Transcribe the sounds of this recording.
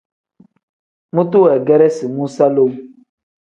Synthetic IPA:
mu˦tu˦ɛ˨ɡɛ˦ɾɛ˦si˨mu˦sa˦lo˦m˦

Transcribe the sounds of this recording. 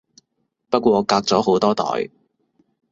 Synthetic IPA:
pɐ˥t̚kʷɔː˧kaː˧k̚t͡sɔː˨˥ɦo˨˥wt̪ɔː˥t̪ɔ̰ː˨j

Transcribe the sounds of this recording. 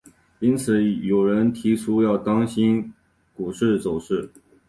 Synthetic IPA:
i˥nt͡sʰɹ̩˨˩˦jo˨˩ʊɻə˧˥nt̪ʰi˧˥ʈ͡ʂʰu˥jɑ˥˩ʊt̪ɑ˥ŋɕi˥n | ku˨˩ʂɻ̩˥˩t͡so˨˩ʊʂɻ̩˥˩

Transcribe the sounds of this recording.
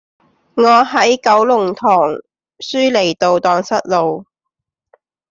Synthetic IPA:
ŋɔː˨˧ɦɐ˨˥jkɐ˨˥wlʊ˨˩ŋt̪ʰɔː˨˩ŋ | syː˥le˨˩jt̪o˨wt̪ɔː˨˧ŋsɐ˥t̚lo˨w

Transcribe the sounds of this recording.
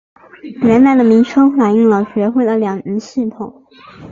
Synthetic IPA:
ɥɛ˧˥nla˥˩d̪ə˩mi˧˥ŋʈ͡ʂʰɤ˥ŋfa˨˩ɪi˥˩ŋlə˧ɕɥɛ˧˥xwe˥˩ɪd̪ə˩ljɑ˨˩ŋ̩˧˥nɕi˥˩t̪ʰʊ˨˩˦ŋ

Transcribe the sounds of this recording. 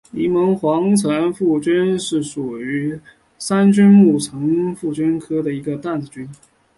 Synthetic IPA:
i˧˥mɤ˧˥ŋxwɑ˧˥ŋt͡sʰɤ˧˥nfu˥˩t͡ɕi˥nʂɻ̩˥˩sʂu˨˩y˧˥ | sa˥nt͡ɕy˥nmu˥˩t͡sʰɤ˧˥ŋfu˥˩t͡ɕi˥nkʰɤ˥d̪ə˨i˧˥ɡə˧t̪a˥˩nt͡sɹ̩˨˩t͡ɕy˥n

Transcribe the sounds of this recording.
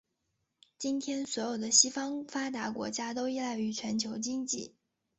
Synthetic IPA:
t͡ɕi˥nt̪ʰjɛ˥nswɔ˧˥jo˨˩ʊd̪ə˦ɕi˥fɑ˥ŋfa˥t̪̬a˧˥kwɔ̰˧˥t͡ɕja˥t̪o˥ʊi˥la˥˩ɪy˧˥t͡ɕʰɥɛ˧˥nt͡ɕʰjo˧˥ʊt͡ɕi˥ŋt͡ɕi˥˩

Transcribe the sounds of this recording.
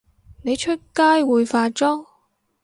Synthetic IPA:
ne˨˧jt͡ʃʰɵ˥t̚kaː˥jwuː˨jfaː˧t͡ʃɔː˥ŋ

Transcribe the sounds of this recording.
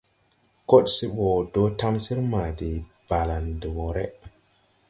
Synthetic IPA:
ko˦ɗsi˦ɓo˨do˦ta˦msi˦ɾma˨di˨b̥a˨la˨ndi˨wo˨ɾe˦

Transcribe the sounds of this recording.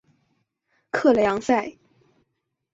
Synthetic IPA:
kʰɤ˥˩ljɑ˧˥ŋsa˥˩ɪ

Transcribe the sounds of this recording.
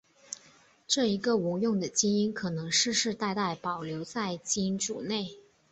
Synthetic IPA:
ʈ͡ʂɤ˥˩i˧˥ɡə˧u˧˥jʊ˥˩ŋd̪ə˩t͡ɕi˥ŋi˥nkʰɤ˨˩nɤ˧˥ŋʂɻ̩˥˧ʂɻ̩˥˧t̪a˥˧ɪt̪a˥˩ɪpɑ˨˩ʊljo˧˥ʊt͡sa˥˩ɪt͡ɕi˥nʈ͡ʂṵ˨˩ne˥˩ɪ

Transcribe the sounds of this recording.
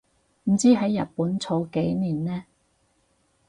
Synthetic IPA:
m̩˨˩t͡siː˥ɦɐ˨˥jːɐ̰˨t̚puː˨˥nt͡sʰo˨˥wke˨˥jniː˨˩nnɛː˥

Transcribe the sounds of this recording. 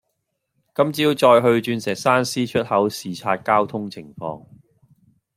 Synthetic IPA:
kɐ˥mt͡siː˨˥wt͡ʃɔː˧jɦɵ˧ɥt͡ʃyː˧nsɛː˨˩k̚saː˥nsiː˥t͡ʃʰɵ˥t̚hɐ˨˥wsiː˨t͡sʰaː˧t̚kaː˥wt̪ʰʊ˥ŋt͡sʰɪ˨˩ŋfɔ̰ː˧ŋ

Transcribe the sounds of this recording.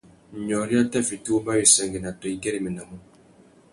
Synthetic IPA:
ɲɔ˨ɾi˦a˦tɛ˦fi˨tu˦wba˦ji˨sɛ˨ŋɡe˨na˨tɔ˨i˦ɡɛ˦ɾi˨mi˨na˨mu˦

